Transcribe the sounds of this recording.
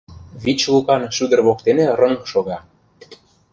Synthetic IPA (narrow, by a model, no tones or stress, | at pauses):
βit͡ɕlukɑnʃud̪ə̆rβok̚t̪eneɾɤ̆nɤ̆kʃoɣɑ